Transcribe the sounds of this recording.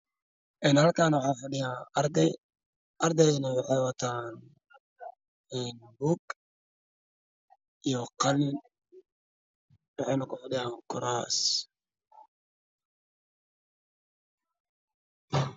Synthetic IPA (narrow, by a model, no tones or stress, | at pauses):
ʔɛːnhɐlkʰaːnwɑħɑːfɐɖɪjaːɐrd̪ɛj | ʔɐrd̪ɛjnɐwɑħɑjwɐt̪ʰaːn | ɛːnbuːɡ | ʔijɔqɑlɪn | wɑħɑjnɐkʰʊfɐɖɪjaːkʰʊɾaːs